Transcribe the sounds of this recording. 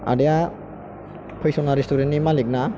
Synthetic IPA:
a̰deja | pʰəjsɔnaɾistʰuɾenimalik̚na

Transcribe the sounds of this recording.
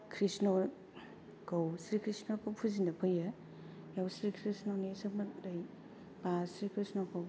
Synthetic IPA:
kʰɾisno | kowsɾikʰɾisnokopʰuzindɐpʰɯjɐ | jawsɾikʰɾisnonesɐkmɐdaj | basɾikʰɾisnokaw

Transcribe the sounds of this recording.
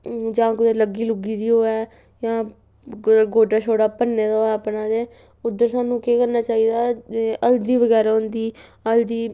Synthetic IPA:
d͡ʒãːkʊd̪eːləɡiːlʊɡiːd̪iːɦoːɛː | jãː | ɡoːɖaːt͡ʃʰoːɽaːpənːeːd̪aːoːɛːəpnãːd̪eː | ʊd̪ːəɾsaːnũːkeːkəɾnaːt͡ʃaːiːd̪aːəld̪iːʋəɡɛːɾaːɦʊ̃nd̪iːəld̪iː

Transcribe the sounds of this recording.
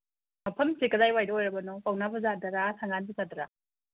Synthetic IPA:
mɐpʰɐmsekɐdajwajdɐojɾɐbɐnɔpawnabɐzadɐɾasaŋanbɐzadɐɾa

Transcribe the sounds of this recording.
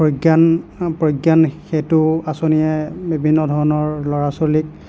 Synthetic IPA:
pɹojɡjanpɹojɡjanxetʊasonijɛbibʱinːɔdʱɔɹɔnɔɹlɔɹasolik̚

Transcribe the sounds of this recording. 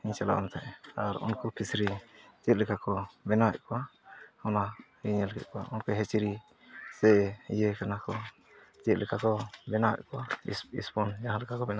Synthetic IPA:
iɲt͡ʃala̰ʔa̰nat̪ʰaʔaɾṵnkɔpʰisɾit͡ʃɛt̪̚lɛkʰakɔbɛnawɛ̰ʔ̚kɔahɔnaɾiɲɛlɛkʰɛt̪̚kɔa̰ʔunkɔɦɛt͡ʃiɾi | sɛjɛkanakɔ | t͡ʃɛt̪̚lɛkʰakɔbɛnawɛ̰ʔ̚kɔwasḭspɔnd͡ʒaɦalɛkʰakɔbɛna

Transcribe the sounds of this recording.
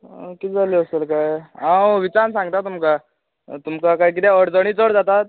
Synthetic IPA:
kiːd͡zaliəselkajãwʋit͡sansãŋɡ̚t̪at̪umka | t̪umkakajk̬it̪ɛ̃əɽd͡zəɽ̃iːt͡səɽd͡zat̪at̪̚

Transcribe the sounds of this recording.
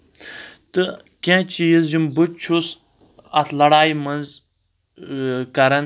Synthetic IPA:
t̪ɨ | kʲẽt͡ʃijizjimbut͡ʃʰus | ɐt̪ʰlɐɽaːjmɐnz | kɐɾɐn

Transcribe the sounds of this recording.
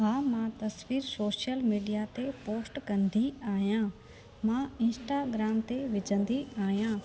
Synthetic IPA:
ɦaːmãt̪ɐsʋiːɾsoːʃijəlmiːɖijat̪epoːsʈkɐ̃nd̪ʱiaːɦijãː | mãɪ̃nsʈaɡɾaːmt̪eʋɪd͡ʑʱə̃nd̪iaːɦijãː

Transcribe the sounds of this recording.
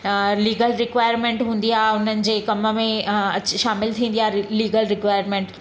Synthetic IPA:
liːɡəlɾɪkʋaːɪɾmẽːɳʈɦũːn̆d̪ijaɦʊn̤ənɪ̆d͡ʑeːkɐmə̆mẽɐt͡ɕʃaːmɪlt̪ʰĩːn̆d̪ijaɦliːɡəlɾɪkʋaːɪəɾmẽːɳʈ

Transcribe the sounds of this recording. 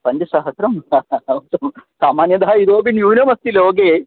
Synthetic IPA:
pɐɲd͡ʒɐʃaːɦɐsɾɐmut̪ɐmsaːmaːnjɐd̪aaiɾoːbinjuːnɐmɐst̪iloːɡeː

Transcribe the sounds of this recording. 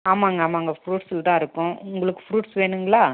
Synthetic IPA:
aːmaːŋɡɐaːmaːŋɡɐfɾuːʈsɪlt̪ãːɪɾɯkːʊ̃ʊŋɡɐɭɯkːɯ̥fɾuːʈsʋeːɳɯŋɡɐɭaː

